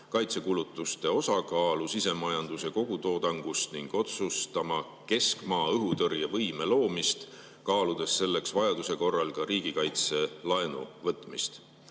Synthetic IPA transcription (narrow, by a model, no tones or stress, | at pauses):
kɑjt̪se̞kulut̪ːˑust̪e̞o̞sɑkɑːlusise̞mɑjɑnd̪use̞ko̞ɡ̥ut̪o̞ːd̪ɑŋɡ̥ust̪niŋɡ̥o̞t̪sust̪ɑmɑ | ke̞skmɑːɤɦut̪ɤrjɑvɤjme̞lo̞ːmist̪ | kɑːlud̪̥e̞sːe̞lːe̞ksvɑjɑd̪use̞ko̞rːɑlkɑɾiːɡ̥ikɑjt̪se̞lɑenṵvɤt̪ːˑmist̪